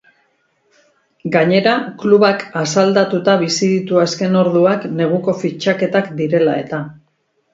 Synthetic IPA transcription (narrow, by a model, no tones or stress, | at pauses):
ɡaɲe̞ɾakluβakasald̪at̪ut̪aβisiðit̪uaske̞no̞ɾðuakne̞ɣ̞uko̞fit͡ʃake̞t̪akd̪iɾe̞lae̞t̪a